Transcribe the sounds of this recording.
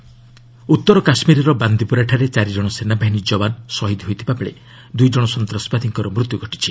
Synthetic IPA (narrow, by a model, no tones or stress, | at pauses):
ut̪ːɔɾɔkasmiɾɔɾɔband̪ipuɾaʈʰaɾet͡ʃaɾid͡ʒɔɽ̃ɔsenabʱaɦinid͡ʒɔbansɔɦid̪ɦojt̪ʰi̥papɭḛ | d̪ujd͡ʒɔɽ̃ɔsɔnt̪ɾɔsbad̪ʱiŋkɔɾɔmɾut̪juɡʱɔʈi̥t͡ʃʰi